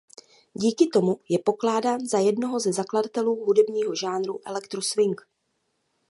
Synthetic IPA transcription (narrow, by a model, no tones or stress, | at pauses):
ɟiːkɪt̪o̞mujɛpo̞klaːdaːnzajɛdno̞ɦo̞zɛzakladat̪ɛluːɦudɛbɲiːɦo̞ʒaːnɾuʔɛ̰lɛkt̪ɾosvɪŋk